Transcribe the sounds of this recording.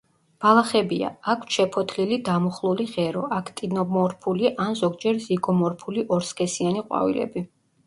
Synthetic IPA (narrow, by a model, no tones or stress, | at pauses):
b̥alˠaχɛbia̰akʰʃɛpʰɔt̪ʰlilid̪amɔχlˠuliʁɛɾɔʔakʰt̪ʼinɔmɔɾpʰuliʔanzɔɡd͡ʒɛɾziɡɔmɔɾpʰuliʔɔɾskʰʼɛsianiqʼwa̰vḭlɛ̰bi